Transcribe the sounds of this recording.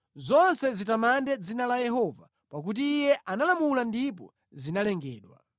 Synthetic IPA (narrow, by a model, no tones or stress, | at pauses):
zɔnsɛzitamandɛd͡zinalajɛɦɔva̰ | pak̬ut̬iːjɛʔanalamulandip̬ɔ̰ | zinalɛŋɡɛ̰ːɗwa̰